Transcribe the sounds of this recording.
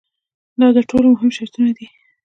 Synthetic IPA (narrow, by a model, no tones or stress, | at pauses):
d̪ɑd̪əʈʰolomʊɦɪmʃeɾt̪unad̪i